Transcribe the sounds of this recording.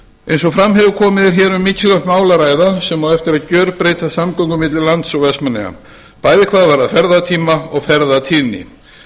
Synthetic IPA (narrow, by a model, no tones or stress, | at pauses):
ejns̬ɔfɾamɦɛvʏɾkʰɔːmɪðɪɾ̥çɛːɾʏmːɪcːɪlat̪maːwlaɾaːjðasɛmvawðɛft̪ɪɾaðcœːɾpɾeːjt̪asamkɔwŋkʏmɪt̪lɪlant̪sɔwvɛsmanːɛ̰a̰ | paːjðɪkʰv̥aːðvaɾaðfɛɾðat̪ʰiːmaɔɣfɛɾðat̪ʰiːnɪ̰